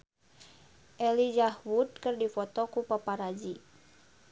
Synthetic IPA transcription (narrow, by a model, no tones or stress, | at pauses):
ʔɛlid͡ʒahwut̪̚kɨrdifɔt̪ɔkupapaɾad͡ʒi